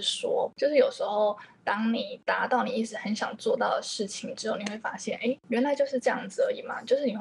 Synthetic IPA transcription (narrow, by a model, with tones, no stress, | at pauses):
ʂwɔ˥t͡ɕjo˥˧ʊʂɻ̩˥˩jo˨˩ʊʂɻ̩˧˥xo˥˧ʊt̪ɑ˥ŋni˨˩t̪a˧˥t̪ɑ˥˩ʊni˨˩i˥˩ʈ͡ʂɻ̩˧˥xə˧˥nɕjɑ˨˩ŋt͡swɔ˥˧t̪ɑ˥˩ʊd̪ə˩ʂɻ̩˥˩t͡ɕʰi˨˩ŋʈ͡ʂɻ̩˧˥jo˥˩ʊni˨˩xwe˥˩ɪfa˥ɕjɛ˥˩nʔe˥˩ɪɥɛ˧˥nla˧˥ɪt͡ɕjo˥˧ʊʂ̬ɻ̩˥˧ʈ͡ʂɤ˥˧jɑ˥˩ŋd͡z̩˩ə˧˦i˨˩mɐ̰˨˩t͡ɕjo˥˧ʊʂ̬ɻ̩˥˩ni˨˩